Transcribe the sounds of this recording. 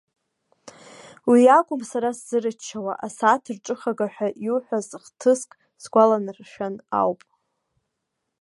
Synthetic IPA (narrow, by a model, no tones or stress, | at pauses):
wiakʷʼʊmsaɾasz̥ɨrɨt͡ʃʰːawa̰ʔasatʰɨrʈ͡ʂʼɨχaɡaħʷᶣaʔiuħʷᶣazɨχtʰɨskʼ | sɡʷalanɨrʃᶣana̰wpʼ